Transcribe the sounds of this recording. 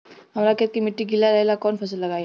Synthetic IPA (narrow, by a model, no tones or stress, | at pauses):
ɦɐmɾaket̪̚kimɪʈːiɡʱilaɾɐɦelakɔːnfʰɐs̬əlːɐɡaːj